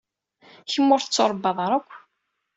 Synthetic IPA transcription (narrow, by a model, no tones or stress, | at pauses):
çəmːʊɾθət͡sːoɾˤbːɑðˤɾˤækʷː